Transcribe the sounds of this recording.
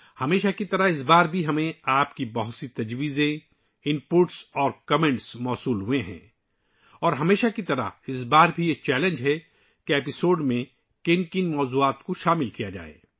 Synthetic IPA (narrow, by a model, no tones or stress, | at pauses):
hɐmeːʃakit̪ɐɾaɪs̬baːɾbʱiɦɐmẽaːpkibɐɦʊt̪sit̪ɐd͡ʒwiːzẽ | ɪ̃mpʊʈsɔːɾkɐmẽɳʈsmɔːsuːlɦʊẽɦɛ̰̃ː | ɔːɾɦɐmeːʃakit̪ɐɾa̰ɪs̬baːɾbʱieːt͡ʃɛːlẽnd͡ʒɦɛ | keeːpɪsoːɖmẽ | kɪnkɪnmɔːzuːaːt̪koʃaːmɪlkijad͡ʒa̰ːḛː